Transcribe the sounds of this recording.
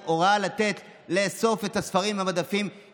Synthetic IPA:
oʁalat̪e̞t | leso̞fet̪hasfaʁimhabad̪afim

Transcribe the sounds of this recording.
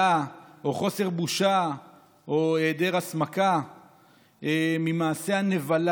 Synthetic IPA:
ao̞χo̞se̞ʁbuʃa | oed̪e̞ʁasmaka | emimaːse̞hane̞val

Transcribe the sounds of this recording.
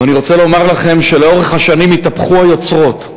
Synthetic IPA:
aniʁo̞t͡selo̞maʁlaχe̞mʃe̞leo̞ʁeχhaʃanimitapχuajo̞t͡sʁo̞t

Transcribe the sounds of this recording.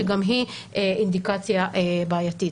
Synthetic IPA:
eɡamɦieind̪ikat͡sjaʔebaːjat̪i

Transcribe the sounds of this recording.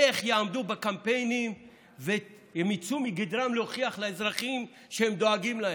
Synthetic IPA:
eχjeamd̪ubekampejnim | ve | jemit͡sumiɡid̪ʁamlehoχiaχlaezʁaχim | ʃehemd̪oaɡimlae

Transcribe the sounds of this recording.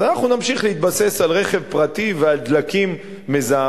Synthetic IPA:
zanaχnunamʃiχleit̪base̞salʁe̞χevpʁat̪iveald̪lakimː | eza

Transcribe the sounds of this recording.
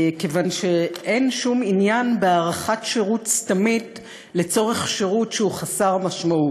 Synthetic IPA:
kevanʃe̞ʔe̞nʃuminjanbeaʁaχatʃeʁutstamit | le̞t͡so̞ʁe̞χʃeʁutʃeuχasaʁmaʃmaut

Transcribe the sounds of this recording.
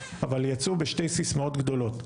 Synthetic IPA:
avaljat͡subeʃte̞jsismao̞tɡdo̞lo̞t

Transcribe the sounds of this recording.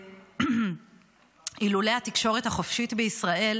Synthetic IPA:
ilule̞jhat̪ikʃo̞ʁe̞thaχofʃit̪beisʁaʔe̞l

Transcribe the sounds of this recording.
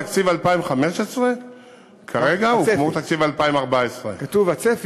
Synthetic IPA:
akt͡sivalpaimχameʃesʁe | kʰaʁeɡaumot̪akt͡sivalpaimaʁbaesʁḛkatuvat͡sef

